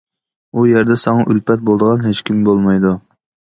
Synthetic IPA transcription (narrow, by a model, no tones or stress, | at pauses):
ujæɾd̪ɛsɑŋɑʔylpʰɛt̪̚bolˠd̪əʁɑnɦet͡ʃkʲimbolˠmɑjd̪u